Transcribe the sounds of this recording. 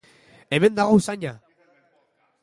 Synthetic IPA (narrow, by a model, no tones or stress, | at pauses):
eme̞nd̪aɣosaɲa